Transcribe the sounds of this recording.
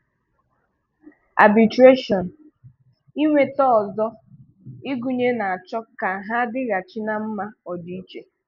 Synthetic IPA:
a̰˨bi˨t͡ʃe˦ʃɔ˨n̩˨ | i˦ŋʷe˦tɔ˦ɔ˨zɔ˦ | ɪ˦ɡu˨ɲe˦na˨a˨t͡ʃɔ˦ka˨ɦa˦dɪ˦ɣa˨t͡ʃɪ˦na˦m̩˦ma˦ɔ˨di˦i˦t͡ʃe˨

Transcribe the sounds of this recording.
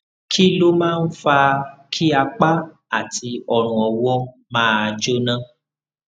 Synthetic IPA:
kʰi˦lo˦mãː˦˧n̩˦fa˧kʰi˦a˧k͡pa˦ | a˦˨ti˧ɔ˧ɾ̃ũ˧ɔ˧wɔ˦ | mãː˦a˧d͡ʒo˦nã˦˨

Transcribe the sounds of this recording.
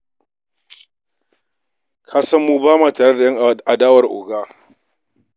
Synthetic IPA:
kʰaː˦sɐ˦mːu˦baː˦maː˨taː˨ɾɐ˦da˨jɐ˦ŋʔa˨daː˦wɐ˨rʔʊ̰ː˨ɡaː˦

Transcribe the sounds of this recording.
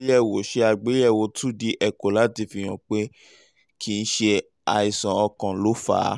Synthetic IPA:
jɛ˦˨wo˨ʃe˧˦a˧ɡ͡be˨˦jɛ˦˨wo˨tʰu˦di˧˦ʔɛ˧˨ko˨la˨˦ti˦˧fĩ˨j̃ɔ̃˨k͡pe˦ | kʰi˦˧ñ̩˦ʃe˧ | a˧i˨sã˨ɔ˧kã˨lo˨˦fa̰ː˨˦

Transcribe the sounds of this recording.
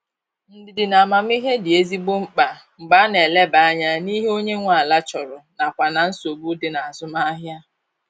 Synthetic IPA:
n̩˨dɪ˨dɪ˨na˨a˨ma˨m˦i˦ɦe˦dɪ˨e˦zi˦ɡ͡bo˦ŋ͡m̩˨˦k͡pa˨ŋ͡m̩˨ɡ͡ba˦ne˨le˦ba˨a˦ɲa˦ni˦ɦe˦o˦ɲe˦ŋʷa˨la˦t͡ʃɔ˨ɾʊ˨na˨kʷa˨na˨n̩˦so˨bu˦dɪ˨na˨a˨zʊ˦ma˦ɦja˦

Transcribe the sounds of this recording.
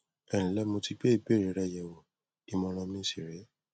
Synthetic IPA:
ɛ˨ñĩ˨lɛ˦mo˧ti˧k͡pe˦i˦˧˨be˦˨ɾe˨˦ɾɛ˧jɛ˧wo˨ | ni˧mɔ̃˧ɾ̃ã˧mĩ˦si˦˨ɾe˨˦

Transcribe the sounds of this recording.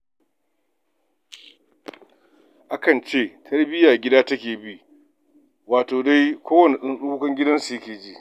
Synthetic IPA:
ʔa˦kɐ˨nt͡ʃeː˦˨tʰɐ˦rbɪ˦jaː˨ɡʲɪ˦daː˦tɐ˦kʲeː˨bi˦ʔ | waː˨toː˨da˦jkʷoː˦wɐ˨ni˨ɗʊ˦nɗuː˦kɐ˦ŋɡʲɪ˦dɐ˦nsu˨jɐ˦kʲeː˨d͡ʒi˦˨ʔ

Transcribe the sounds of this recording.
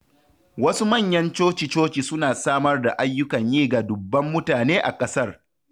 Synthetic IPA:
wɐ˦su˦mɐ˦˨ɲjɐ˦nt͡ʃoː˦t͡ʃi˨t͡ʃoː˦t͡ʃi˨sʊ˦naː˨saː˦mɐ˦rda̰˨ʔa˦jːʊ˦kɐ˨ɲjeː˦ɡa˨dʊ˨bːɐ˦mːʊ˦taː˨neː˦ʔa̰˨kʼɐ˦sɐ˦r

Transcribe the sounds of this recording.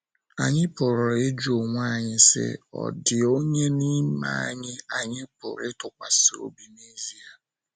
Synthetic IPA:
a˨ɲɪ˦pʊ˨ɾʊ˨ɾe˦d͡ʒo˨ŋʷa˦˨ɲɪ˦sɪ̰˦ɔ̰˨dɪ˨o˦ɲe˦ni˦ma̰˦a˨ɲɪ˦a˨ɲɪ˦pʊ̰˨ɾɪ˦tʊ˨k̚ʷa˨so̰˦bi˦ni˦zi˦a˨

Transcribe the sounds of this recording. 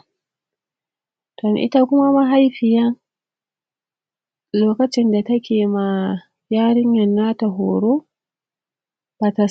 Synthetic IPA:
tɔ˨n̰ʔḭ˦ta˦kʊ˦ma˦ma˦ɦa˦jɸi˨ja˦ | loː˨ka˦t͡ʃi˦nda˨ta˦kʲeː˨ma˨ | jaː˦ɾi˦ɲja˨nːa˦ta˨ɦoː˨ɾɔ˦ | b̥a˨ta˨

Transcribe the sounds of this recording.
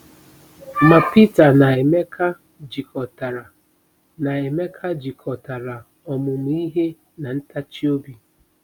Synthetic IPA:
ma˨pi˦ta˨na˨e˨me˦ka˦ | d͡ʒi˨kʰɔ˨ta˨ɾa˨ | na˨e˨me˦kʰa˦d͡ʒi˨kʰɔ˨ta˨ɾa˨ | ɔ˨mʊ˨m̩˨˦i˦ɦe˦ | na˨n̩˦ta˦t͡ʃi˦o˦bi˨

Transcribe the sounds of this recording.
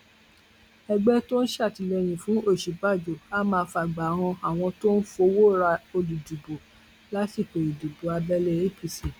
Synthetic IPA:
ɛ˧ɡ͡bɛ˦to˦n̩˦ʃa˦˨ti˧lɛ˧j̃ĩ˨fũ˨˦o˦˨ʃi˨˦ba˦˨d͡ʒo˨a˦mãː˧˦fa˨ɡ͡ba˨˦ɦɔ̃˧a˨w̃ɔ̃˧to˦n̩˦fo˧wo˦˨ɾa˧o˧du˨du˨bo˨ | la˨˦ti˦˨k͡pe˨i˨du˨bo˨a˧bɛ˧le˦˨˦i˦˨pi˨si˨

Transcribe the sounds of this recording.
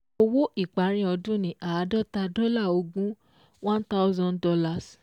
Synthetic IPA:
o˧wo˦ʔi˦˨k͡pa˨˦ɾ̃ĩ˦ɔ˧dũ˦nĩ˨ʔa˨˦dɔ˦ta˧dɔ˦la˦˨o˧ɡũ˦ | wã˦n˦t̪a˦ʊ˦zɔ̃˦ndɔ˧la˧˨s

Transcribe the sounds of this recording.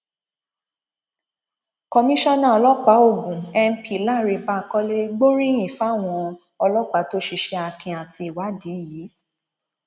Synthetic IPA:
kɔ˧mĩ˦ʃɔ̃˦nã˦˨ɔ˧lɔ˦k͡pa˨˦o˦˨ɡũ˨ɛ˧m̩˦pi˨la˦˨ɾi˧ba˦˨kɔ˦le˦ɡ͡bo˦ɾĩ˦ĩ˦˨fa˨˦˨w̃ɔ̃˧ | ɔ˧lɔ˦k͡pa˨˦to˦ʃi˧ʃɛ˧a˧kĩ˧a˨ti˧i˨wa˨˦di˨˦˨jiː˨˦

